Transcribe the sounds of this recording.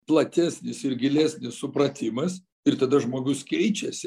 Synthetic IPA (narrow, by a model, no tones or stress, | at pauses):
plˠɐt̪ʲæːsʲnʲɪsɪɾɡʲɪlʲæsʲnʲɪssʊpɾɐt̪ʲɪmɐs | ɪɾt̪ɐd̪ɐʒmoːɡʊskʲɛɪt͡ʃʲɛsʲɪ